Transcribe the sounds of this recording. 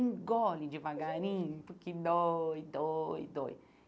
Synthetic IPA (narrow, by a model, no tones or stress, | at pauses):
ŋɡɔlid͡ʒivaɡaɾĩpukid̪oid̪oj̰d̪o̰j̰